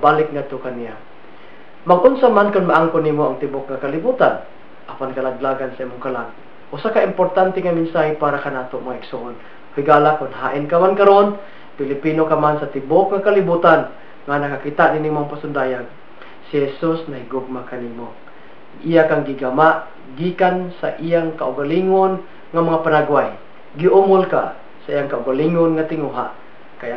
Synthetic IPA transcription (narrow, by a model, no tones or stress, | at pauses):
baːlɪk̚ŋat̪okanija | mɐɡʔʊnsamankʊnmaʔaŋkonimoaŋt̪ɪbok̚ŋakalɪbuːt̪an | ʔapankɐlaɡlaːɡansɐʔimʊŋkalaɡ̚ | ʔʊsakaʔɪmpoɾt̪ant̪ɛŋamɪnsaːɦɪpaːɾakanaːt̪omɐŋaɪɡ̥sʊʔon | hɪɡaːlakʊnɦaːʔɪnkamankaɾon | pɪlɪpiːnokamansat̪ɪbok̚ŋakalɪbuːt̪an | ŋanakakit̪aʔninɪŋmoŋapasʊnd̪ajaŋ | sɪhɛsusnaɦɪɡʊɡ̚makanimo | ijakaŋɡiɡamaʔ | ɡikansa̰ʔijaŋkaʔʊɡaliŋon | ŋamaŋapanaɡwaj | ɡiʔumolka̰ | saʔijaŋkaʊɡaliŋonŋat̪ɪŋuɦa̰ʔ | kaja